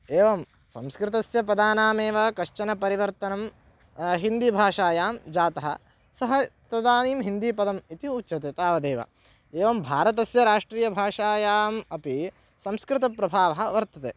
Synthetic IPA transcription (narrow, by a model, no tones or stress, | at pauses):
eːʋɐm | sɐ̰mskɾɪt̪̬ɐsjɐpɐd̪aːnaːmeːʋɐkɐʃt͡ʃɐnɐpɐɾiʋɐɾt̪ɐnɐm | ɦind̪ibʱaːʂaːjaːmd͡ʒaːt̪ɐɦɐ̰ | sɐɦɐt̪ɐd̪aːniːmɦind̪iːpɐd̪ɐmit̪iutːʃɐt̪et̪aːʋɐd̪eːʋɐ̰ | eːʋɐmbʱaːɾɐt̪̬ɐsjɐɾaːʂʈɾiːjɐbʱaːʂaːjaːmɐpi | sɐ̃mskɾɪt̪̬ɐpɾɐbʱaːʋɐɦɐ̆ʋɐɾt̪ɐt̪ḛː